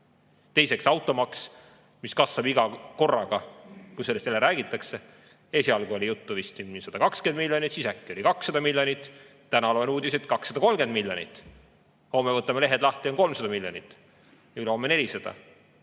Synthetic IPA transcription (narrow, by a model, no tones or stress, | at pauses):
t̪e̞jse̞ksɑwt̪ːˑo̞mɑks | miskɑsːɑbiɡ̥ɑko̞rːɑɡ̥ɑkujselest̪elːeɾæːɡit̪ːˑɑkse̞ | e̞ːsʲiɑlɡuo̞lʲijut̪ːuvist̪imsɑd̪̥ɑkɑkskend̪milʲjo̞nit̪sisækːio̞likɑksːɑd̪ɑmilʲjo̞nʲit̪ˑ | t̪ænɑloenuːd̪iset̪kɑksːɑd̪̥ɑko̞lmɡ̥e̞nd̪̚milʲjo̞nḭt̪ːˑ | ho̞mːevɤt̪ːˑɑmele̞ɦed̪̥lɑht̪ionko̞lmsɑd̪ɑmiljo̞nit̪ːˑ | ylo̞mːene̞lʲisɑd̪̥ɑ̰